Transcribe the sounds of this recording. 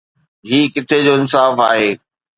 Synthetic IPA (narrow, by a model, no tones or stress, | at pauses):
ɦiːkɪt̪ʰed͡ʑoːɪnsaːfaːɦeː